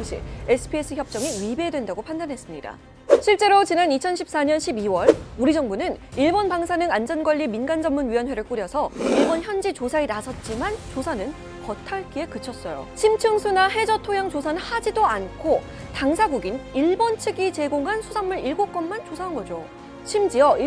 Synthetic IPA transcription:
ɕʰḭesʰɯ̥pʰies͈ʰɯçjʌp̚t͡ɕ͈ʌŋiɥibedwe̞ndaɡopʰandanɦe̞s͈ɯmɲida̰ | ɕʰiɭt͡ɕ͈e̞ɾot͡ɕinanit͡ɕʰʌnɕʰip̚s͈aɲʌnɕʰibiwʌɭuɾid͡ʑʌŋbunɯniɭbʌnpaŋsʰanɯŋand͡ʑʌnɡwʌʎːiminɡand͡ʑʌmmunɥiwʌnwe̞ɾɯɭk͈uɾjʌsʰʌiɭbʌnçjʌnd͡ʑit͡ɕosʰainasʰʌt̚t͡ɕ͈imant͡ɕosʰanɯn | kʌtʰaɭk͈iekɯt͡ɕʰʌs͈ʌjo̰t͡ɕʰimt͡ɕʰɯŋsʰunaɦe̞d͡ʑʌtʰojaŋt͡ɕosʰanɯnhad͡ʑidoankʰo | taŋsʰaɡuɡiniɭbʌnt͡ɕʰɯɡit͡ɕe̞ɡoŋɦansʰusʰamːɯɾiɭɡok͈ʌnmant͡ɕosʰaɦanɡʌd͡ʑo | t͡ɕʰimd͡ʑiʌi

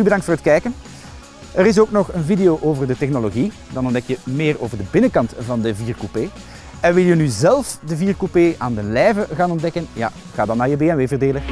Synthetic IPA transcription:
ybədɑŋktfoːrɦətkɛjkən | əɾɪs̬oːknɔχənvideoːʔoːvərdətɛxnoloɣi | dɑnɔndɛkjəmeːroːvərdəbɪnəkɑntvɑndəviːrkupeː | ɛnʋɪlˠjənyzɛlˠfdəviːrkupeːʔaːndəlɛjvəɣaːnɔndɛkənja̰ː | ɣaːdɑnːaːɹjəbeːɛnʋeːvərdeːlə

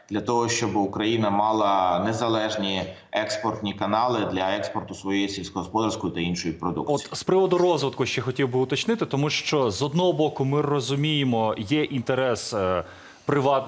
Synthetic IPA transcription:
d̪lʲɐt̪ɔɦɔʃt͡ʃɔbɪʊkɾɐjinɐmɑlˠɐnezɐlˠɛʒnʲi | ɛkspɔrt̪ʲnʲikɐnɑlˠɪd̪lʲɐɛkspɔrt̪ʊsʋɔjejisʲilʲsʲkɔɦɔspɔd̪ɐɾskʊjʊt̪ɐinʃɔjʊpɾɔd̪ṵk̚ɔt̪spɾɪʋɔd̪ʊrɔzʋɪd̪̚kʊʃt͡ʃɛxɔtʲiwbɪʊt̪ɐt͡ʃnɪt̪ɪt̪ɔmuʃt͡ʃɔzɔd̪nɔɦɔbɔkʊmɪrɔzʊmʲijemɔjɛʔint̪eɾɛs | pɾɪʋɑt̪

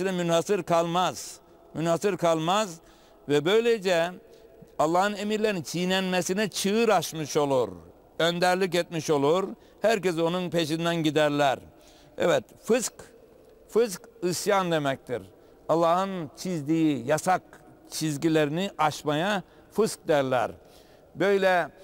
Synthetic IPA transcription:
inɛmynhasɯɾkʰalˠmaz̥ | mynhasɯɾkʰalˠmaz | vɛbøjlʲed͡ʒɛ | ɑlˠːaːhɯne̞miɾlʲeɾint͡ʃʰijnɛnmesinɛt͡ʃʰɯɯɾaʃmɯʃo̞lˠuɾ | ønd̪æɾlʲic̬et̪̚miʃo̞lˠuɾ | hæɾcɛs̬o̞nunpʰeʃind̪ænɟid̪æɾlʲæɾ | ɛ̰vɛt̪fɯsk | fɯzkɯsjand̪e̞mɛc̚t̪ʰḭɾ | ɑlˠːaːhɯnt͡ʃʰizd̪ijijasak̚ | t͡ʃʰizɟilʲeɾiniʔaʃmaja | fɯsk̚d̪ɛɾlʲæ̰ɾ | bø̞jlʲɛ

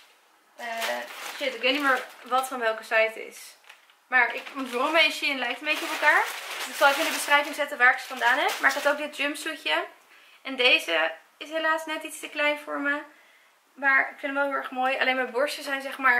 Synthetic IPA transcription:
əʃɪtɪkʋejtnimɪːɹʋɑtfɑnʋɛlˠkəsɛjtɪ̰s | maːɹɪkʋɔntvɔrɔmeʃiənlɛjk̚təmbejçəɔpɛlˠkaːɹdɪksɑlˠɛkɪndəbəsrɛjvɪŋzɛtəʋaːɹɪksətfɑndaːnɛpmaːɹɪkɦɑtowkɡ̚dɪd̚d͡ʒɪmpsujə | ʔɛndejzə | ɪsɦelaːsnɛtitstəklɛjnfʊːɹmə | maːɹɪkfɪndətʋɛlˠɦɪʊɛχmoːjɑ̰lejnmɛbɔɹsəzɛjnzɛχmaːɹ

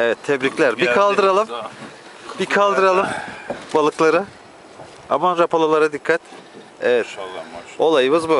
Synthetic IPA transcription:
evɛt̪ʰːɛbɾiclʲæɾbikʰalˠd̪ɯɾalˠɯm | bikʰalˠd̪ɯɾalˠɯmbalˠɯklˠaɾɯ | a̰maɾapʰalˠolˠaɾad̪ikʰːat̪ | evɛt̪ | o̞lˠajɯmɯzbu

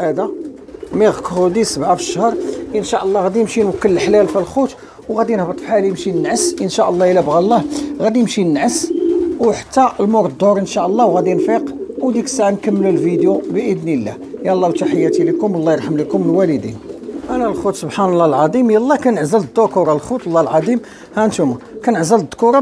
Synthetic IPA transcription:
ʕæd̪a | miɣkhud̪isəbʕafə̥ʃːhəɾˤənʃaʔəlˤːɑɣæd̪imʃinwəkːələlħlælfilxut̪ | wɣæd̪inhbət̪ˤfħalimʃinənʕəsʔənʃaʔəlˤːɑjəlæbɣælˤːɑhɣæd̪iəmʃinənʕəswħḁt̪ːælmoɾd̪ˤːoɾˤənʃaʔəlˤːɑwɣæd̪infiqwd̪iksʕankəmːələlvid̪jubəʔəd̪nilːæ̰ | jælˤːɑwt̪aħəjːæt̪ilikʊmwlːɑjəɾˤħəmlikʊməlwæləd̪ḭnʔænælxut̪sobħanəlˤːɑlʕɑd̪ˤimjælˤːɑkænʕzəld̪ːʊkuɾˤɑlxut̪lːɑlʕɑd̪ˤim | hænt̪umakænəʕzəl̚d̪ːkuɾˤɑ

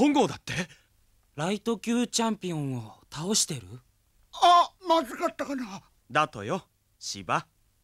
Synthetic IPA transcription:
õŋɡo̞ːd̪at̪ːe̞ | ɾait̪o̞kʲɨːt͡ɕãmpʲiõ̞ɰ̃o̞t̪ao̞ɕi̥t̪e̞ɾɯ̟ | amazɨkat̪ːakana | d̪at̪o̰jo | ɕiba

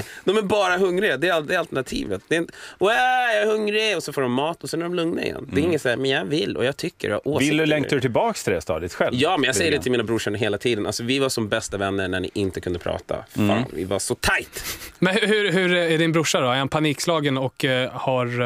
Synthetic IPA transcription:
d̪ɔmæɾbɑːɾaɦɵŋɾɪɡad̪ɛæɾad̪ɛalt̪ɛɳat̪ʰḭːvət̪̚d̪ɛɪnɛjɑɾhɵŋːɾɪɔsɛnfoːɖɔmːɑːt̪ɔsɛnæɖɔmlɵŋnaɾɪ̰jɛ̰nːd̪ɛɾɪŋːət̪saæmɛnjɑvɪlːɔ̰jɑːɡ̚t̪ʰʏkːə̰ɾjɑ̰ʔoːld̪ɵlɛŋaɾʉt̪ʰɪlbɑːkst̪ʰɪld̪ɛ̰st̪ɑ̰ːd̪ɪt̪ɧɛljɑːmɛnjɑːɡsɛjːəɖɛt̪ɪmiːnabɾʊʂanəɦeːlat̪ʰiːd̪əna̰lsɔvɪvaʂɔmbɛst̪avɛnːəɳæɳɪ̰ʔɪnt̪əkʰɵnd̪əpʰɾɑ̰ːt̪ʰa̰fa̰ːnvɪ̰va̰ʂɔt̪ʰajt̪mɛnhɦɵɦɵɾæɖɪnbɾʊʂadɔæɛnpʰaniːkslɑːɡənɔkhaɾ

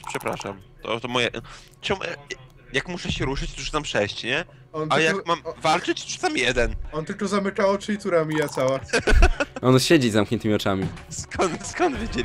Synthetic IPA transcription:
pʂɛpɾa̰ʂa̰mt̪ɔ̰t̪ɔmɔjɛ | t͡ɕɔ̃ɡɛ̰ | jakmuʂɛɕɛɾuʂɘt͡ɕzuʂɨ̥ampʂɛɕt͡ɕɲɛ | ɔnajakmamvalt͡ʂɘt͡ɕtʂɨt̪amʲijɛd̪ɛnɔnt̪ɘlkɔzamɘkaɔt͡ʂɨit̪uɾamʲijat̪sawa | ʔɔnɕed͡ʑizamkɲɛnt̪ɘmʲiɔt͡ʂamʲiskɔnt̪skɔnd̪vʲjed͡ʑelʲi

